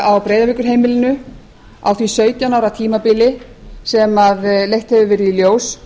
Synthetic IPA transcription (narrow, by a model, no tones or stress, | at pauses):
awpɾeːjðavɪkʏɾ̥ɦejmɪlɪnʏ | a̰wθvisœːɥt̪jawnawɾat̪ʰiːmapɪːlɪ | sɛmaðlejht̪hɛvʏvɛɾiljoːws